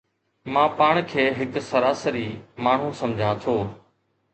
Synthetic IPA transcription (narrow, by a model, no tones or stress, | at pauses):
mãːpaːɳkʰeːɦɪksəɾaːsəɾiːmaːɳ̤ũːsəmd͡ʒʱãːt̪ʰoː